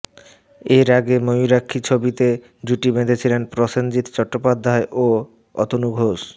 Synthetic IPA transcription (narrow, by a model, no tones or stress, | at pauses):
eɾaɡemojuɾakʰːit͡ɕʰobit̪e | d͡ʑuʈibed̪et͡ɕʰilenpɾɔsond͡ʑit̪t͡ɕɔʈːopad̪ʱːaeʔo | ɔ̰t̪onuɡʱoʃ